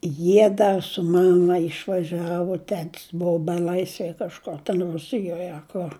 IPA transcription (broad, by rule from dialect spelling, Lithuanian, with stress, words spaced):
ˈjiɛ ˈdɐ sʊ ˈmɑːmɐ ɪʃʋɐˈʒʲæːʋʊ ˈtʲæːtʲɪs ˈbʊʋʊ bʲɛˈlˠɐɪsʲʋʲɛj kɐʃˈkʊr tʲɛn ˈrʊsʲɪjoːj ɐ ˈkʊr